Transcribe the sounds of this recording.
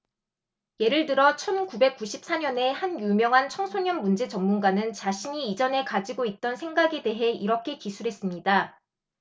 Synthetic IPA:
je̞ɾɯɭtɯɾʌt͡ɕʰʌnkube̞k͈̚uɕʰip̚s͈aɲʌne̞hanjumjʌŋɦant͡ɕʰʌŋsʰoɲʌnmund͡ʑe̞t͡ɕʌmːunɡanɯnt͡ɕaɕʰiɲiːd͡ʑʌne̞kad͡ʑiɡoit̚t͈ʌnsʰe̞ŋɡaɡe̞de̞ɦe̞iɾʌkʰe̞kisʰuɾɦe̞s͈ɯmɲida

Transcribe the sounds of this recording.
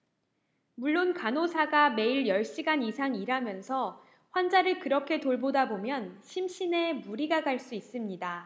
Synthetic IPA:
muɭːonkanosʰaɡame̞iɭjʌɭɕ͈iɡanisʰaŋiɾamjʌnsʰʌ | ɸwand͡ʑaɾɯɭkɯɾʌkʰe̞toɭbodabomjʌnɕʰimɕʰine̞muɾiɡaɡaɭs͈uis͈ɯmɲida

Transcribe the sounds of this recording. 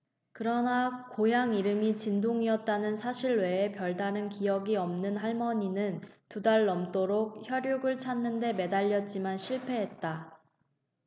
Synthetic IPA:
kɯɾʌnakojaŋiɾɯmit͡ɕindoŋiʌt̚t͈anɯnsʰaɕʰiɭwe̞ːpjʌɭdaɾɯnkijʌɡiʌmnɯnɦaɭmʌɲinɯntudaɭːʌmt͈oɾok̚çjʌɾjuɡɯɭt͡ɕʰanːɯnde̞me̞daʎːʌt̚t͡ɕ͈imanɕʰiɭpʰe̞ɦe̞t̚t͈a

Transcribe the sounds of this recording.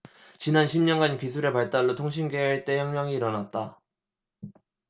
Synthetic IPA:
t͡ɕinanɕʰimɲʌnɡaɲikisʰuɾe̞paɭt͈aɭːotʰoŋɕ̬ʰinɡeeɭt͈e̞jʌŋmjʌŋiːɾʌnat̚t͈a

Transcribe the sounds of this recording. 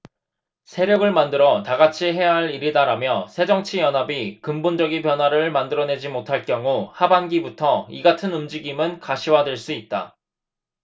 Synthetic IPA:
sʰe̞ɾjʌɡɯɭmandɯɾʌtaɡat͡ɕʰiɦe̞jaɦaɭiɾidaɾamjʌsʰe̞d͡ʑʌŋt͡ɕʰijʌnɦabikɯmbond͡ʑʌɡinp̬jʌnɦwaɾɯɭmandɯɾʌne̞d͡ʑimotʰaɭk͈jʌŋuhabanɡibutʰʌiɡatʰɯnɯmd͡ʑiɡimɯnkaɕʰiwadwe̞ɭs͈uit̚t͈a̰

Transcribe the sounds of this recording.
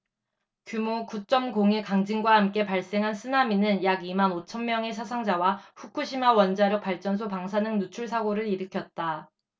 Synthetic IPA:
kjumokut͡ɕ͈ʌmɡoŋe̞kaŋd͡ʑiŋɡwahamk͈e̞paɭs͈e̞ŋɦansʰɯnaminɯnjaɡimanot͡ɕʰʌnmjʌŋe̞sʰas̬ʰaŋd͡ʑawaɸukʰuɕʰimawʌnd͡ʑaɾok̚p͈aɭt͡ɕ͈ʌns̬ʰopaŋs̬ʰanɯŋnut͡ɕʰuɭs̬ʰaɡoɾɯɾiɾɯkʰjʌt̚t͈a

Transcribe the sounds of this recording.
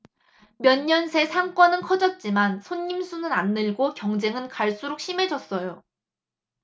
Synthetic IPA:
mjʌɲːʌnsʰe̞sʰaŋk͈wʌnɯnkʰʌd͡ʑʌt̚t͡ɕ͈imansʰoɲːimsʰunɯnanːɯɭɡokjʌŋd͡ʑe̞ŋɯnkaɭs͈uɾok̚ɕ͈ʰime̞d͡ʑʌs͈ʌjo

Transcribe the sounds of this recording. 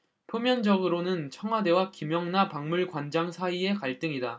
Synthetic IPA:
pʰjomjʌnd͡ʑʌɡɯɾonɯnt͡ɕʰʌŋɦwade̞wakimjʌŋnapaŋmuɭkwand͡ʑaŋsʰaie̞kaɭt͈ɯŋida

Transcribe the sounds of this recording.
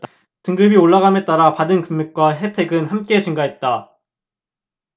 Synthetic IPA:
tɯŋɡɯbioɭːaɣame̞t͈aɾapadɯnkɯmːek̚k͈waɦe̞tʰe̞ɡɯnhamk͈e̞t͡ɕiŋɡaɦet̚t͈a

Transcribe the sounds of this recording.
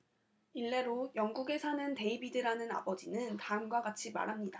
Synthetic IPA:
iɭːe̞ɾojʌŋɡuɡe̞sʰanɯnte̞ibidɯɾanɯna̰bʌd͡ʑinɯntaɯŋɡwaɡat͡ɕʰima̰ɾɦamɲida

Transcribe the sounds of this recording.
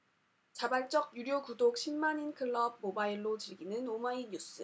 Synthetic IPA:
t͡ɕabaɭt͡ɕ͈ʌɡjuɾjokudok̚ɕʰimmaɲinkʰɯɭːʌb̚mobaiɭːot͡ɕɯɭɡinɯnomaiɲus͈ɯ

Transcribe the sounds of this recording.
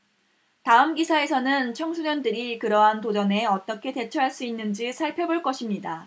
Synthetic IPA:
taɯmɡisʰae̞sʰʌnɯnt͡ɕʰʌŋsʰuɲʌndɯɾikɯɾʌɦantod͡ʑʌne̞ʌt͈ʌkʰe̞te̞t͡ɕʰʌɦaɭs͈uinːɯnd͡ʑisʰaɭpʰe̞boɭk͈ʌɕʰimɲida

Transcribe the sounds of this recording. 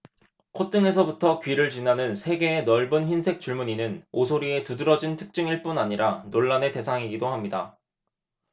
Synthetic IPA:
kʰot͈ɯŋe̞s̬ʰʌbutʰʌkɥiɾɯɭt͡ɕinanɯnsʰe̞ɡe̞ːnʌɭbɯnçinsʰe̞k̚t͡ɕ͈uɭmuɲinɯnosʰoɾie̞tudɯɾʌd͡ʑintʰɯ̥k̚t͡ɕ͈ɯŋiɭp͈unaɲiɾanoɭːane̞te̞sʰaŋiɡidoɦamɲida̰

